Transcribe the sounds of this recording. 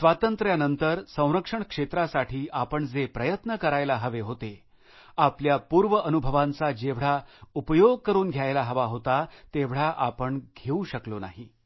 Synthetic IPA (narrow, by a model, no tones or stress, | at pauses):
sʋat̪ənt̪ɾjanənt̪əɾsə̃w̃ɾəkʂəɳkʂet̪ɾasaʈʰiːʔapəɳd͡zepɾəjət̪nəkəɾajlaɦəʋeɦot̪e | apljapuːɾʋəʔənubʱəʋãnt͡sad͡ʑeʋɽ̤aupəjoɡ̚kəɾuːnɡʱjajlaɦəʋaɦot̪at̪eʋɽ̤aʔapəɳɡʱeuɕəklona̰ɦi